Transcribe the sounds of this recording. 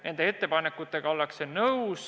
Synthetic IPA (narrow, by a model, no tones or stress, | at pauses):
nʔe̞nd̪ee̞t̪ːe̞pɑnekːut̪ːˑe̞ɡ̥ɑo̞lːɑksenɤws